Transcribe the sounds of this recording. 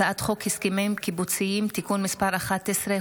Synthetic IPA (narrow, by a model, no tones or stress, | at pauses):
aat̪χo̞khiskimemkibut͡siimt̪ikunmispaɾaχat̪ːesɾe